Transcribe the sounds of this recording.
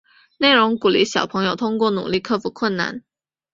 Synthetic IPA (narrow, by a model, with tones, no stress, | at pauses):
ne˥˩ɪɻʊ˧˥ŋku˨˩li˥˩ɕjɑ˨˩ʊpʰɤ˧˥ŋjo˨ʊt̪ʰʊ˥ŋkwɔ˥˩nṵ˨˩li˥˧kʰɤ˥˩fu˨˩kʰwə˥˩nna̰˥˩n